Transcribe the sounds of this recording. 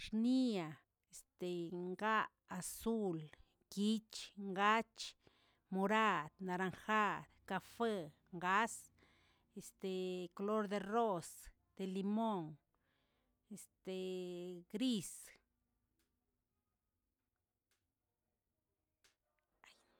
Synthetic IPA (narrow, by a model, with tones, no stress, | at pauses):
ʂni˦a˨ | e˨st̪e˨ŋɡa˦ʔːsu˦l | ɡi˦t͡ʃŋɡa˦t͡ʃ | mo˧ɾa˦˧d̪na˧ɾa˧ŋxa˦˧ɾka˧fe˦ | ŋɡa˦s | e˨st̪e˨ko˧lo˦ɾd̪e˧ro˦s | d̪̥e˨li˧mo˦ŋ | e˨st̪e˨ɡɾi˦s